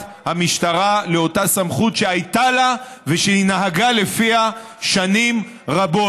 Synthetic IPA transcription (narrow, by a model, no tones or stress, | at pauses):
hamiʃtaʁaleo̞tasamχutʃe̞ajtala | veʃeinaɦaɡale̞fiha | ʃanim | ʁabo̞